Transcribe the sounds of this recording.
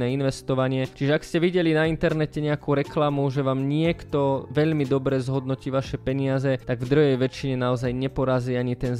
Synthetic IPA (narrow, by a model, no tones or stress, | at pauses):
ɛːinʋɛst̪ɔʋaɲɪɛt͡ʃiʒɛakscɛʋiɟɛlinaint̪ɛɾnɛcɛɲɛakuɾɛklamuʒɛʋaːmɲɪɛkt̪ɔʋɛʎmid̪ɔbɾɛzɦɔd̪nɔciːʋaʃɛpɛɲɪazɛt̪aɡvd̪ɾuɦɛjʋɛt͡ʃiɲɛnaɔzajɲɛpɔɾaziːaɲit̪ɛn